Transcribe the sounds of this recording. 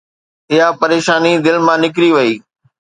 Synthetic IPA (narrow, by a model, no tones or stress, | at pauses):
ɪɦapɐɾeːʃaːnid̪ɪlmãːnɪk̬ɾiʋɐiː